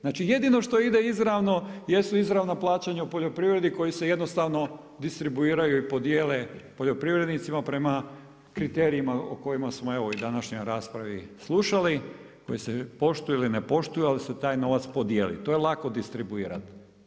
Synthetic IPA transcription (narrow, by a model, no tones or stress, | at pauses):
znaːt͡ʃije̞d̪ino̞ʃt̪o̞id̪e̞izɾaʋno̞je̞suizɾaʋnaplˠaːt͡ɕaɲaupo̞ʎo̞pɾiʋɾe̞d̪iko̞jiseje̞d̪nost̪aʋno̞ | d̪ist̪ɾibuiːɾajuipo̞d̪jeːle̞po̞ʎo̞pɾiʋɾe̞d̪nit̪simapɾe̞ma | kɾit̪e̞ːɾiimao̰ko̞jimasmoe̞ʋojd̪anaʃɲojɾaːspɾaʋislˠuʃali | ko̞jisepo̞ʃt̪ujuilinepo̞ʃt̪ujualiset̪aːjno̞ʋat̪spo̞d̪je̞ːlḭt̪o̞jelˠako̞d̪ist̪ɾibuiːɾa̰t̪